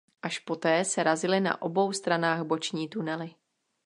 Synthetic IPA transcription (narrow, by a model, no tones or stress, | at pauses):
ʔaʃpo̞t̪ɛːsɛɾazɪlɪna̰ʔo̞bo̞wst̪ɾanaːɣbo̞t͡ʃɲiːt̪unɛlɪ